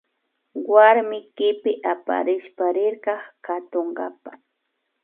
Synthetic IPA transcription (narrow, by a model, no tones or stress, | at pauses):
waɾmɪkɪpɪʔapa̰ɾɪʃpaɾɪɾkɑχkat̪oɴɡa̰pḁ